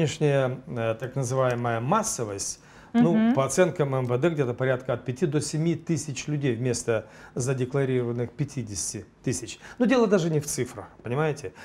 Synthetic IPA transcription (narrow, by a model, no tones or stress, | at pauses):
ɪʂnʲɪjəət̪aknəzɨvajɪməjəmasːəvəsʲtʲ | nupəɐt̪sɛnkəmɛmvəd̪ɛɡdʲet̪əpɐɾʲat̪kəɐt̪̚pʲɪtʲid̪o̞sʲɪmʲit̪ɨsʲɪt͡ɕlʲʉdʲejvmʲe̞st̪ə | zədʲɪklˠɐɾʲiɾəvənːɨxpʲɪtʲidʲɪsʲtʲɪt̪ɨsʲɪt͡ɕnudʲe̞lˠəd̪aʐɨnʲɪft̪sɨfɾəxpənʲɪmajɪtʲɪ